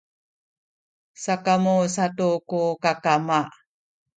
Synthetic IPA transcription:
sakamusatukukakama

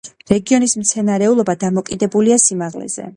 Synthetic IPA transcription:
ɾɛɡiɔnismt̪sʰɛnaɾɛulˠɔbad̪amɔkʼid̪ɛbuliasimaʁlɛ̰z̥ɛ̰

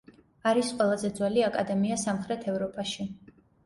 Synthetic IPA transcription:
aɾisqʼwɛlˠazɛd̪zwɛliakʼad̪ɛmiasamχɾɛt̪ʰɛvɾɔpʼaʃi

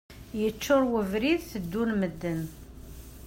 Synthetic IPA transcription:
jət͡ʃːʊɾˤwəvɾiðθəd̪ːunməd̪ːən

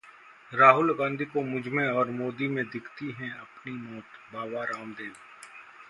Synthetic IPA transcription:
ɾaːɦʊlɡãːnd̪ʱikomʊd͡ʒʱmẽɔːɾmoːd̪imẽd̪ɪkʰt̪iɦɛ̃ɐpnimɔːt̪baːʋaɾaːnd̪eːʋ

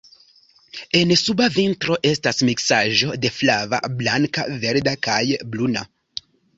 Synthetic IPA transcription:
e̞nsubavintɾo̞ʔe̞stasmiksaʒo̞de̞flava̰blaŋka̰ve̞ɾdakajbluna

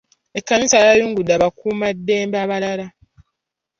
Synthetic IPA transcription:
e̞kːanisaɾajuːŋɡudːaːβakuːmadːeːmbaβalala

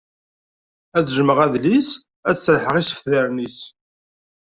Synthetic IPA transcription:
æt͡sːʒməʁæðlis | æsəɾħəʁisə̥fðəɾnis

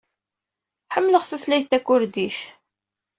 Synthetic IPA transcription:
ħəmːləʁθæθlæjθt̪ːækːʊɾd̪iθ

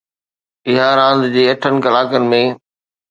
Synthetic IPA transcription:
ɪɦaɾãːnd̪d͡ʑeːɐʈʰənɪ̆kɐlaːkənɪ̆mẽ

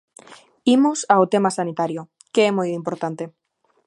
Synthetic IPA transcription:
imosaot̪emasanit̪aɾjo | keemojimpoɾt̪ant̪e

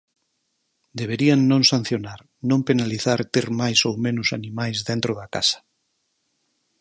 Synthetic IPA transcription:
d̪eβ̞eɾianːõŋsãn̟θjonaɾ | nõmpenaliθaɾt̪eɾmajsowmẽnʊsanĩmajzðẽnt̪ɾoðaka̰sḁ

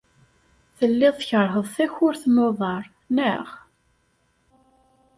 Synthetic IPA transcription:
θəlːɪðˤçəɾˤɦəðˤθæçʊɾθnoðˤɑɾˤ | næʁ

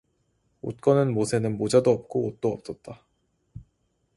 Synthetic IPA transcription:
o̰t̚k͈ʌnɯnmosʰe̞nɯnmod͡ʑadoʌp̚k͈oot̚t͈oʌp̚s͈ʌt̚t͈a

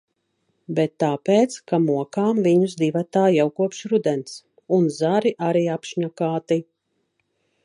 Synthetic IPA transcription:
bɛt̪ːaːpeːt̪skamuɔkaːmviɲuzd̪ivat̪aːjawkuɔpʃɾud̪ɛns | unzaɾiʔaɾiːapʃɲakaːt̪i

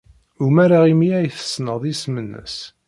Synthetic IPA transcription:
ʊmæɾaʁimiæjθə̥snəðˤismənːə̰s

